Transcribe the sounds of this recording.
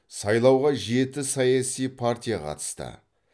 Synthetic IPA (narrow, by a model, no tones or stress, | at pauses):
sɑjlˠɑwʁɑʒe̞t̪ɪsɑjɑsijpʰart̪ʲijɑqʰɑ̰t̪ə̥st̪ə̰